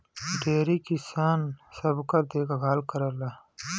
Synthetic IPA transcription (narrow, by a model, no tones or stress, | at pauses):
ɖeːɾikisaːnsɐbkɐɾd̪eːkaɡʱaːlkɐɾɐla